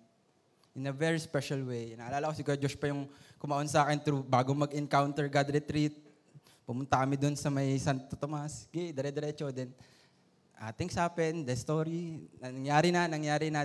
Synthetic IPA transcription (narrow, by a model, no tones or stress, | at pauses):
ʔɪnɐvɛɹispɛʃɐlwejnɐʔɐlaːlɐkosɪɡuːɾod͡ʒoʃpɐjʊŋkʊmɐʔonsɐaːkɛnt̪ɾubaːɡomɐɡɪnkawnt̪ɛɹɡad̪ɾɪt̪ɾit̪̚ | pʊmʊnt̪akɐmɪd̪ʊnsɐmɐjsant̪ot̪omɐsɡɛd̪ɛɾɛd̪ɛɾɛt͡ʃod̪ɛn | ʔat̪ɪŋsaːpɛnd̪ɐst̪oɾinɐnɐŋjaːɾɪnɐnɐŋjaːɾɪnaː